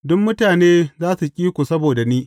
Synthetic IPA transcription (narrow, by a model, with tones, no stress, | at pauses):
dʊ˦mːʊ˦taː˨neː˦zaː˦su˨kʲʼiː˦kʷu˨sɐ˦boː˨da˨niː˦